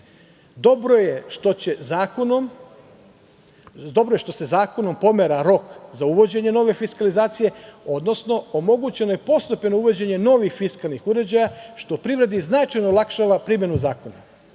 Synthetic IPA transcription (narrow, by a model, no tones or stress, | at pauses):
d̪obɾojeʃt̪ot͡ɕezaːkonom | d̪o̞bɾo̞je̞ʃt̪o̞se̞zaːko̞no̞mpo̞meɾaɾo̞kzauʋo̞d͡ʑe̞ɲe̞no̞ʋe̞fiskalizaːt̪sije̞o̞d̪no̞sno̞omo̞ɡut͡ɕe̞no̞jepo̞st̪openo̞uʋo̞d͡ʑe̞ɲeno̞ʋixfiskalnixuɾe̞d͡ʑajaʃt̪o̞pɾiʋɾe̞d̪iznat͡ʃajnolˠakʃaʋapɾimje̞nuzaːko̞na̰